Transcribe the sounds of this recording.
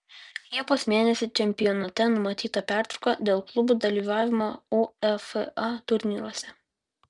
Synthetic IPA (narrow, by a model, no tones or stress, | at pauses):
lʲiɛpoːsmʲeːnʲɛsʲɪt͡ʃʲɛmʲpʲɪjɔnɐt̪ʲɛnʊmɐt̪ʲiːt̪ɐpʲæˑɾt̪ɾʊkɐd̪ʲeːlˠklˠʊbuːd̪ɐlʲiːʋɑːʋʲɪmouɛfɑt̪ʊɾʲnʲiːɾuɔsʲɛ